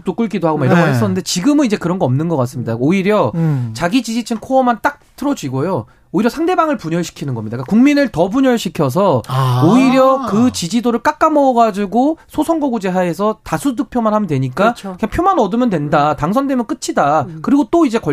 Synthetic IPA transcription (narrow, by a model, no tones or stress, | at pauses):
t͈ok͈uɭk͈idoɦaɡomaiɾʌɡoɦes͈ʌnːɯndet͡ɕiɡɯmɯnid͡ʑe̞kɯɾʌnɡʌʌmnɯnɡʌk͈as͈ɯmɲidaoiɾjʌt͡ɕaɡid͡ʑid͡ʑit͡ɕʰɯnkʰoʌmant͈ak̚tʰɯɾʌd͡ʑiɡojo | oiɾjʌsʰaŋde̞baŋɯɭpuɲʌɭɕʰi̥kʰinɯnɡʌmɲidakakuŋminɯɭtʌbuɲʌɭɕʰikʰjʌs̬ʰʌoiɾjʌkɯt͡ɕid͡ʑidoɾɯɭk͈ak͈̚amʌːɡad͡ʑiɡosʰosʰʌŋɡʌɡud͡ʑe̞ɦae̞sʰʌtasʰudɯk̚pʰjomanɦhamʌndwe̞ɲik͈aɯɲaŋpʰjomanʌdɯmjʌndwe̞ndataŋsʰʌndemjʌnk͈ɯt͡ɕʰidakɯɾiɡot͈oid͡ʑe̞kʌ